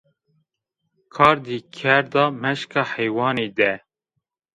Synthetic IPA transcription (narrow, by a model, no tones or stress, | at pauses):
kʰɑːɾd̪iːkʰɛɾd̪ɑːmɛʃkɑːhɛjwɑːneːd̪ɛ